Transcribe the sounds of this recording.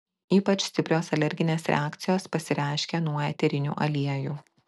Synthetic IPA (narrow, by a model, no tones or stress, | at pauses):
iːpɐt͡ʃsʲt̪ʲɪpʲɾʲoːsɐlʲɛɾʲɡʲɪnʲeːsɾʲɛ̰aːkt̪sʲɪjoːspɐsʲɪɾʲæˑɪʃʲkʲenuɔjɛt̪ʲɛɾʲɪnʲṵːʔɐlʲiɛjuː